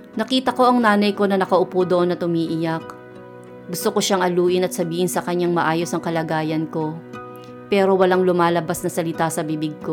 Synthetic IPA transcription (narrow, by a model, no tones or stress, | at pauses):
nɐkiːt̪ɐko̞ʔɐŋnaːnɐjko̞nɐnɐkɐʔʊpod̪oʔonɐt̪̚ʊmiːʔɪjak̚ | ɡʊst̪oko̞ʃaŋʔɐluːʔɪnɐt̪sɐbiːhɪnsɐkɐɲːaŋmɐʔaːjo̞sɐŋkɐlɐɡaːjɐnko̞ | pɛːɾo̞wɐlaŋlʊmaːlɐbasnɐsɐlɪt̪asɐbibɪɡ̚ko̞